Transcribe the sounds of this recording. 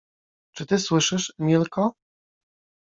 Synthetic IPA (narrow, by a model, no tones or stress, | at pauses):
t͡ʂɘt̪ɘswɘʂɘʂmʲilkɔ